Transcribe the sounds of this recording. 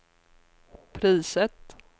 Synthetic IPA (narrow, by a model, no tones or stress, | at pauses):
pʰɾiːsət̪